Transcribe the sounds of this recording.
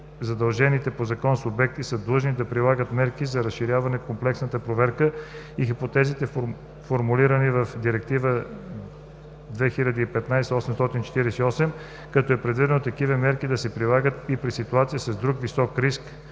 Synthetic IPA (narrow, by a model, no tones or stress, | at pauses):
zɐd̪ɐlˠʒɛnit̪ɛpozɐkɔnsobɛk̚t̪isəd̪lˠɤʒnid̪ɐpɾilˠaɡət̪mɛɾkizɐɾɐsʃiɾʲjavɐnɛkomplɛksnət̪əpɾovɛɾkə | ixipot̪ɛzit̪ɛf | foɾmuliɾənivəfd̪iɾɛk̚t̪ivə | d̪vɛxilʲɐd̪əipɛt̪najsɛɔsɛmst̪ɔt̪int͡ʃɛ̥t̪iɾɛsɛiɔsɛm | kɐt̪ɔɛpɾɛd̪vid̪ɛnot̪ɐkivəmɛɾkid̪ɐsɛpɾilˠaɡət̪ipɾisit̪uat̪siəsɐzd̪ɾukvisɔkɾisk